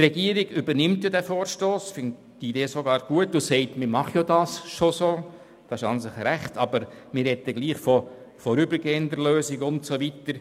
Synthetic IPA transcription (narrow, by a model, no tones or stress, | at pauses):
trɛɡiəɾiɡ̥ʏbəɾnɪmtjadæfoːɾʃtoːsfɪn | tideːsoɡɑːɾɡ̥uətʊsɛɪtmɪɾmɑχjodɑːsʃosoː | d̥ɑɪʃɑnsɪχɾæχtɑbəɾ | mɪɾhɛtəɡ̥liːχfɔ | fɔɾybəɾɡeːənd̪əɾløːsɪɡʊntsoʋitəɾ